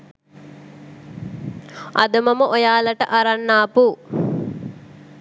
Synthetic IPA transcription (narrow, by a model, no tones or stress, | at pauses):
ʔad̪ɐmɐməʔojaːlɐʈəʔaɾanːaːpu